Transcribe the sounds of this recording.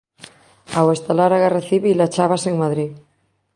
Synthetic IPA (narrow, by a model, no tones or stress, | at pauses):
awest̪alaɾaɣareθiβilat͡ʃaβaseŋmaðɾi